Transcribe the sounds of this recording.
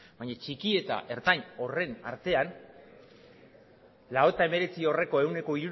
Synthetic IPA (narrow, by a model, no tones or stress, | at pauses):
bajɲat͡ʃikie̞t̪a̰ʔe̞ɾt̪aɲo̞re̞na̰ɾt̪e̞an | lao̞et̪ae̞me̞ɾe̞t͡sio̞re̞ko̞e̞wne̞ko̞iɾu